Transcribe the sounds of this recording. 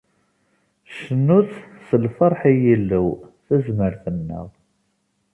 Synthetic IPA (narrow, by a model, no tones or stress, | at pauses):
ʃənːuθsəlfəɾˤħijilːəwθæzməɾθənːə̰ʁ